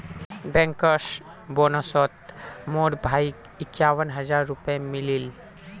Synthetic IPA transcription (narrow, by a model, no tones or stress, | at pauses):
bɛ̃ŋkəʃ | bonɔsɔt̪̚moɽbʱaik | ɪkːjaʋənɦəd͡ʒaɾːupẽmilil